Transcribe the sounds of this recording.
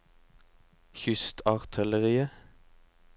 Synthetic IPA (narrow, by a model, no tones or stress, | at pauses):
çʏst̪ʰɑʁt̪ʰœləʁiːə